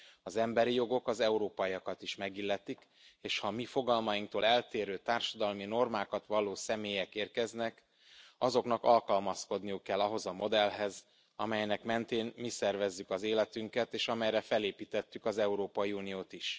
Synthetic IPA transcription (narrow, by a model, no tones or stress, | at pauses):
ɒzɛmbɛɾijo̞ɡo̞kɒzɛuɾoːpɒiɒkɒt̪iʃmɛɡilːɛt̪ik | eːʃhɒmifo̞ɡɒlmɒjiŋk̚t̪oːlɛlt̪eːɾøːt̪aːrʃɒd̪ɒlmino̞rmaːkɒt̪ʋɒloːsɛmeːjɛkeːrkɛznɛk | ɒzo̞knɒkɒlkɒlmɒsko̞d̪nijukːɛlːɒɦo̞zɒmo̞d̪ɛlɦɛz | ɒmɛjnɛkmɛnt̪eːnmisɛrvɛzːykɒzeːlɛt̪yŋkɛt̪eːʃɒmɛjɾɛfɛleːpiːt̪ɛt̪ːykɒzɛuɾoːpɒiuːnijoːt̪iʃ